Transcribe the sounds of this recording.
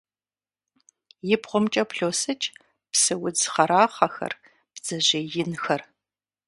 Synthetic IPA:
jɪbʁʷʊmt͡ʃʼɐpɬoːsɨt͡ʃʼ | psɨwʊd͡zχɐɾaːχɐxɐ̰r | b̥z̥ɐʑeːjɪnxɐr

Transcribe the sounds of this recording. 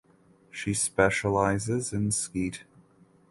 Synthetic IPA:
ʃispɛʃəlaɪzɪzɨ̃nskit

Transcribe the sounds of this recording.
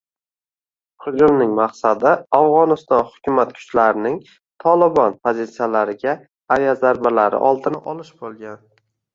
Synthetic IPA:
χʊd͡ʒʊlnɪŋmaqsad̪ɪafʁɒnɪst̪ɒnhʊ̥kʲʰʊmat̪̚kʰʊ̥t͡ʃlaɾɪnɪŋ | t̪ʰɒlɪbɒnpʰozit̪sijalaɾɪɡʲaː | ɾjazaɾbalaɾɪ̰ʔɒlˠd̪ɪnɪʔɒlɪʃbolˠɡʲan

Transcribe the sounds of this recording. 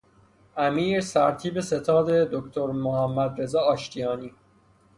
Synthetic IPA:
ʔæmiːɾsæɾt̪ʰiːbe̞se̞t̪ʰɒːd̪e̞d̪okt̪ʰoɾmohæmːæd̪ɾe̞zɒːɒːʃt̪ʰijɒːniː

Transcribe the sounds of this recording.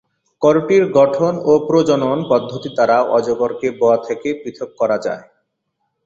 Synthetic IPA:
kɔɾoʈiɾɡɔʈʰonopɾod͡ʑononpɔd̪ʱːot̪it̪aɾaoʔɔd͡ʑoɡoɾkeboat̪ʰekepɾit̪ʰok̚ːɔɾad͡ʑa̰e

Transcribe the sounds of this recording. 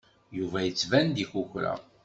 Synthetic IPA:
juvæjət͡sːvænd̪içuçɾæ̰

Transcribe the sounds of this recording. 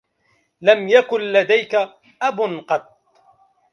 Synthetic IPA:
lamjakʊnlad̪ajka | ʔabʊnqɑt̪̚ˤ

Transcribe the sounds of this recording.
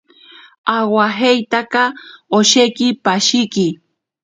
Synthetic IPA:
awaɦejt̪akɑoʃejkɪpaʃɪkɪ

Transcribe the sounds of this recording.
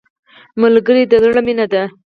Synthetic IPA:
malɡəɾid̪əzɽaminad̪a

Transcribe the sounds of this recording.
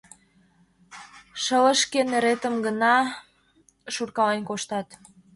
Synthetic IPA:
ʃələ̆ʃkeneɾet̪əmɡənɑ | ʃurkɑlenkoʃt̪ɑt̪

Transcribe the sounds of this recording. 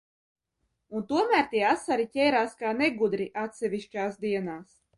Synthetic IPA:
unt̪uɔmæːɾt̪iɛasaɾicʲɛjɾaːskaːneɡud̪ɾiʔat̪sɛvʲiʃt͡ʃaːsd̪iɛnaːs

